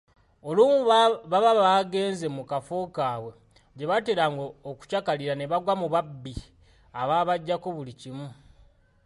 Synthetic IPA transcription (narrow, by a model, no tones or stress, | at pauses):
o̞luːmuβaβaβaɡe̞ːnze̞mukafo̞ːkaːwe̞ | ɟe̞βateːɾaŋɡoːku̥cakaliɾane̞βaɡwamuβabːi | aβaːβaɟːako̞βulicimu